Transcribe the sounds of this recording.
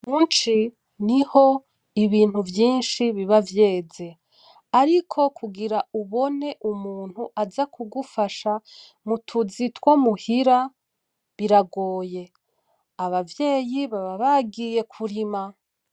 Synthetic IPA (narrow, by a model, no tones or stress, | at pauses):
muːnt͡ʃi | niho̞ | iβiːn̥huvjiːnʃiβiβavje̞ːze̞ | aɾikʰo̞kʰuɡiɾauβo̞ne̞ʔumuːn̥huʔazakuɡufaʃa | mutʰuzitwo̞muhiɾa | βiɾaɡo̞ːje̞ | aβavje̞ːjiβaβaβaɡije̞kʰuɾima